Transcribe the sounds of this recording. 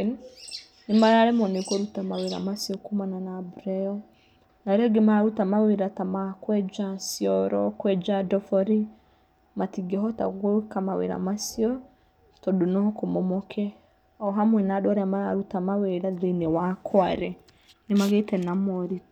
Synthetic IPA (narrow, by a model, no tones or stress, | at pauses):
n | nemaɾaɾɛmɔnekoɾutamaweɾa̰masjɔkumananabuɾɛɔ | naɾɛɡemaɾutamaweɾatamakwɛd͡ʒasjɔɾɔ̰kwɛd͡ʒadɔfɔɾi | matiɡɛɦɔta̰ɣkamawḛɾa̰masiɔ | tɔdunɔkomɔmɔkʰɛ | ɔɦamwɛnadwaɾeamaɾaɾutamaweɾaðenewakʰwaɾɛ | nemaɣetɛnamɔɾi